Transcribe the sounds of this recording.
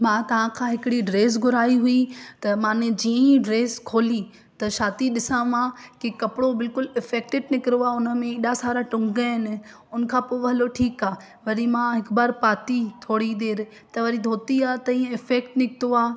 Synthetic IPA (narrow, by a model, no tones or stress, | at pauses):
mãːt̪ɐʋ̤ãkʰãːɦɪkɪɽiɖɾeːs̬ɡʱʊɾaːiɦuit̪ɐmãːnẽd͡ʑiːə̃iɖɾeːskʰoːli | t̪ɐʃaːt̪iɗɪsãʋãːkikɐpɪɽobɪlkʊlɪfɛːk̚ʈɪɖ̚nɪkɪɾoaːʊnə̆mẽeːɗasaːɾaʈʊ̃ŋɡaɦɪnɪ̆ | ʊnə̆kʰãːpoːʋɐɦɪloʈʰiːkaː | ʋɐɾimãɦɪkbaːɾpaːt̪it̪ʰoːɽid̪eːɾ | t̪ɐʋɐɾid̪ʱoːt̪iaːt̪ɐĩːə̃ɪfɛːkʈnɪkɪt̪oaː